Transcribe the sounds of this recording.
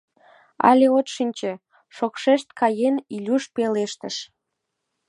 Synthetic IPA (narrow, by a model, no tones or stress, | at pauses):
ɑ̰lʲeot̪ʃinʲt͡ɕe | ʃokʃeʃt̪̚kɑjenilʲuʃpeleʃt̪əʃ